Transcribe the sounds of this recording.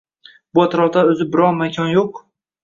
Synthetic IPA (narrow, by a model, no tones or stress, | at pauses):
bʊat̪ʰɾɒʁt̪aɵzɪbɪɾɒnmakʲʰɒnjoq